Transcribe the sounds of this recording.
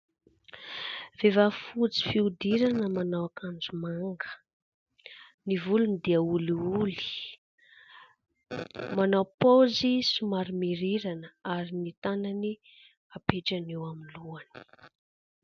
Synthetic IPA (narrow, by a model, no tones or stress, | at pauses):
v̥evafut͡si̥fiud̪iɾanəmanawakand͡zumaŋɡə̥ | nivulunid̪iəuliuli̥ | manawpozisumaɾimiɾiɾanəaɾinit̪anani | apeʈ͡ʂanewaminluani̥